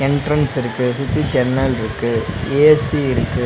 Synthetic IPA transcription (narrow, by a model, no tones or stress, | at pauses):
ɛɳʈɾɐnsɪɾɯkːɯsʊt̪ːid͡ʒɛnːɐlɪɾɯkːɯeːsiɪɾɯkːɯ